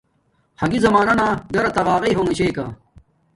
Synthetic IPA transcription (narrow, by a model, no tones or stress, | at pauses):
hɐɡizɐmaːnɐnaːɡɐɾɐt̪ɐʁaːʁɐjɦoŋiɕejka̰ː